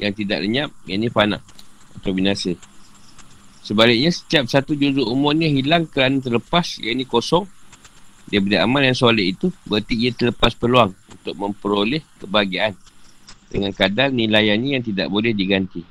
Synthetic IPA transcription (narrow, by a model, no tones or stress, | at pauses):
jaŋt̪ida̰ʔləɲãp̚ja̰ʔnĩpana̰ʔa̰t̪awbinasə | səbalɪk̚ɲãsə̥t̪iap̚sat̪ud͡ʒud͡ʒuumʊrɲãɦilaŋkəɾanat̪̬ərləpasja̰ʔnĩkosɔŋ | diabudia̰mãljaŋsolɛʔit̪ubəart̪iiat̪ələpaspəluaŋunt̪ʊk̚mə̃mpəɾolɛhkəbaɡiaandəŋankadalnĩlajanɲajaŋt̪ida̰ʔbolɛhdiɡant̪i